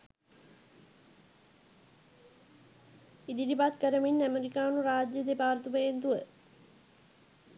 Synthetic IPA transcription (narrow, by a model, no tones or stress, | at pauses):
id̪idipat̪kəɾəminːæmeɾikaːnuɾaːd͡ʒjəd̪epaːɾt̪uməjent̪uʋə